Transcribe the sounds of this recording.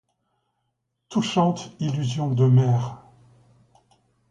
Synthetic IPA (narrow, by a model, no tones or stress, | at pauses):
t̪uʃɑ̃t̪ilyzjɔ̃d̪əmɛːʁ